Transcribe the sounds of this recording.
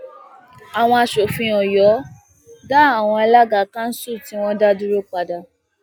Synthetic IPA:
a˨w̃ɔ̃˧a˧ʃo˨fĩ˧ɔ˨jɔ˨˦ | da˦˨a˨w̃ɔ̃˧a˧la˦ɡa˦˨kã˦n̩˦su˦˨ti˨˦w̃ɔ̃˦da˦du˦ɾo˦k͡pa˧da˨

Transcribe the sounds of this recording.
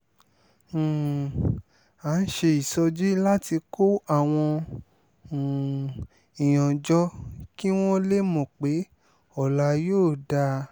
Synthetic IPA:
a˨˦n̩˦ʃe˧i˨sɔ˧d͡ʒi˦la˦ti˧ko˦a˦˨w̃ɔ̃˧˨ | ĩ˨j̃ɔ̃˨d͡ʒɔ˦ki˦w̃ɔ̃˦le˦mõ˨k͡pe˨˦ | ɔ˦˨la˧joː˦˨da˧

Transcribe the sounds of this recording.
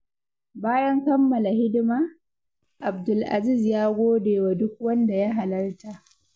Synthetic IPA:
baː˦jɐ˦ŋkɐ˦mːɐ˨la˨hɪ˦dɪ˦maː˦ | ʔa˨bdʊ˨lʔa̰˨zi˦˨zjaː˦ɡʷoː˦deː˨wa˨dʊ˦k̚wɐ˦nda˨ja˦ɦa˨lɐ˦rta˨ʔ

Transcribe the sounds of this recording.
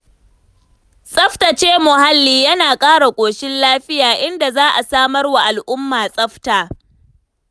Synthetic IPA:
sʼɐ˦ɸta˨t͡ʃeː˦mʊ˨ha˦lːiː˦˨jɐ˦naː˨kʼaː˦ɽa˨kʷʼoː˨ʃɪ˦nlaː˦ɸɪ˦jaː˨ʔɪ˦nda˨zaː˦ʔa˨saː˦mɐ˦rwa˨ʔa˨lʔʊ˦mːaː˨sʼɐ˦ɸtaː˨

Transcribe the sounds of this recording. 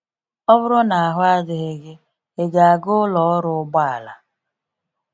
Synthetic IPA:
ɔ˦βʊ˦ɾʊ˦na˨a˨ɦʊ˦a˦dɪ˨ɣe˨ɡe˦ | e˨ɡa˨a˨ɡʊ˦lɔ˨ɔ˦ɾʊ˦ʊ˦ɡ͡ba˦a˨la̰˨

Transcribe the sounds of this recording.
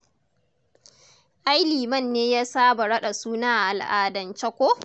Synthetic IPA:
ʔa˦jliː˨mɐ˦˨nːeː˦jaː˦saː˦ba˨ɽɐ˦ɗa˨suː˦naː˦˨ʔa˨lʔaː˨dɐ˨nt͡ʃɐ˦kʷo˦

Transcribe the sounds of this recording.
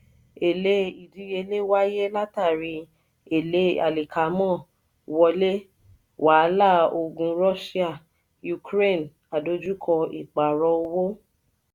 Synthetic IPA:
e˨le˧˦i˨di˧˦je˧le˦wa˦je˦la˦ta˦˨ɾi˧ | e˨le˧˦a̰˨li˨kʰa˨˦mɔ̃˦˨ | wɔ˧le˦ | wa˨˦la˦˨o˧ɡũ˧ɾɔ˦ʃi˦a˦˨ | ju˧kɾe˦˨n | a˨do˧˦d͡ʒu˦kʰɔ˧ḭ˨k͡pa˨ɾɔ˧o˧wo˦

